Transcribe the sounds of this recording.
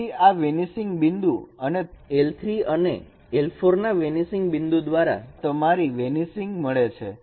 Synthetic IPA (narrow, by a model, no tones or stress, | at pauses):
iaʋenisɪŋɡbɪ̃nd̪uəneelt̪ʰɾiənḛ | elpʰoɾnaʋenisɪŋɡbɪ̃nd̪ud̪ʋaɾa̰t̪əmaɾiʋenisɪ̃ŋɡməɭet͡ʃʰe